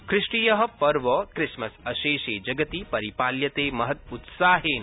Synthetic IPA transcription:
kʰɾɪʂʈiːjɐɦɐ̆pɐɾʋɐkɾɪsmɐsɐʃeːʃeːd͡ʒɐɡɐt̪ipɐɾipaːljɐt̪eːmɐɦɐt̪ut̪saːɦeːn

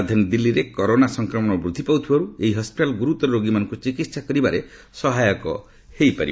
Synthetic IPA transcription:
d̪ʱjɔnd̪ilːiɾekɔɾonasɔŋkɾɔmɔɽ̃ɔbɾud̪ʱːipawt̪ʰibaɾueiɦɔspiʈalɡuɾut̪ɔɾɾoɡimanɔŋkut͡ʃikit̪sakɔɾibaɾe | sɔɦajɔkɔ̰ | hejpa̰ɾi

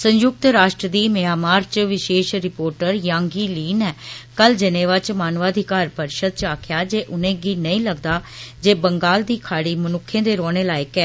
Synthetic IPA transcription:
sə̃ɲjʊk̚t̪ɾaːʃʈɾəd̪iːmejaːmaːɾt͡ʃʋɪʃeːʃɾɪpoːɾʈəɾjãːŋɡiːliːnɛːkəld͡ʒɪnẽːʋat͡ʃmaːnʋaːd̪ʱikaːɾpəɾʃəd̪̚t͡ʃaːkʰjaːd͡ʒeːʔʊnẽːɡiːnəĩːləɡd̪aːd͡ʒeːbəŋɡaːld̪iːkʰaːɽiːmənʊkʰːẽːd̪eːɾɔːñeːlaːɪkɛː

